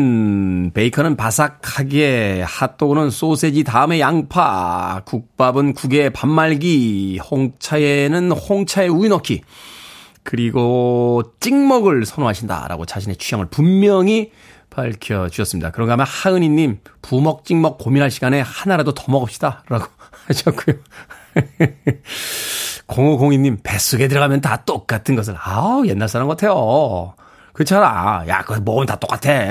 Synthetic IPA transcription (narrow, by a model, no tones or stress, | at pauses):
npe̞ikʰʌnɯnpasʰakʰaɡe̞hat͈oɡunɯns͈osʰe̞d͡ʑitaɯme̞jaŋpʰakuk̚p͈abɯnkuɡe̞pamːaɭɡihoŋt͡ɕʰaenɯnhoŋt͡ɕʰae̞uinʌkʰi | kɯɾiɡot͡ɕ͈iŋmʌɡɯɭsʰʌnoɦaɕʰinda̰ɾa̰ɡot͡ɕaɕʰine̞t͡ɕʰujʌŋɯɭpumːjʌŋi | paɭkʰjʌd͡ʑuʌs͈ɯmɲida̰kɯɾʌŋɡeamjʌnhaɯɲiɲːimpumʌk̚t͡ɕ͈iŋmʌk̚pominɦaɭɕʰiɡane̞hanaɾadotʌmʌɡʌp̚ɕ͈idaɾaɡoaɕʰʌk͈ujo | koŋoɡoŋiɲːimpe̞s͈uɡedɯɾʌɡamjʌntat͈ok̚k͈atʰɯnɡʌs̬ʰɯɭajenːaɭs͈aɾanɡʌtʰe̞jo | kɯt͡ɕʰaɾa̰ja̰kɯʌmʌɡɯmɯntat͈ok͈atʰe̞